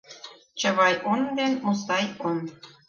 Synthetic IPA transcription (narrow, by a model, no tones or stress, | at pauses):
t͡ɕə̆βɑjʔond̪enmust̪ɑjon